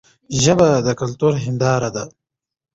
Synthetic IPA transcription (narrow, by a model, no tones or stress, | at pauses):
ʒɐbad̪ɐkɐlt̪uɾɦɪnd̪ɑːɾad̪a